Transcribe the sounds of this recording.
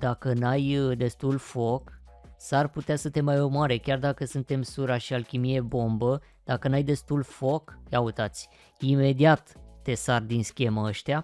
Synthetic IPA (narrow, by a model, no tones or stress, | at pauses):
d̪̥akənajd̪e̞st̪ulfo̞k | sarput̪easət̪e̞majomoaɾe̞kʲard̪akəsunt̪e̞msuɾaʃialkʲimije̞bo̞mbə | d̪̥akənajd̪e̞st̪ulfo̞kjaut̪at̪sʲ | ime̞d̪iat̪ːe̞sard̪inskʲe̞maəʃt̪ea